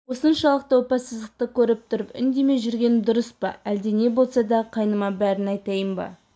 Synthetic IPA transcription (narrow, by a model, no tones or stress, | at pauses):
wo̞sənʃɑlˠəq̚t̪əwopɑsəzd̪əq̚t̪əkʲʰɵɾɪp̚t̪ʰʊɾəpɪ̰nd̪e̞me̞ʒʏɾɡʲe̞nɪd̪ʊɾəspɑæld̪ene̞bo̞lˠsɑd̪ɑqʰɑjnəmɑbæɾɪnɑjt̪ɑjəmbɑ̰